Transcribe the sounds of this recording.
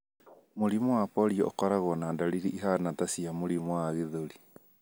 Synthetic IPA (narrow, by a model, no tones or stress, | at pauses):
moɾimɔwapɔɾiɔo̰kɔɾaɣɔnandaliɾiiɦanatasiamoɾimɔwaɣeðoɾi